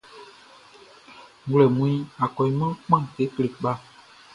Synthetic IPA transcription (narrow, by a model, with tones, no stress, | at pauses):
ɡlɛ˨mũ˨i˦a˨kɔ˨i˨mã˦k͡pã˦˨te˨˦kle˨ɓa˦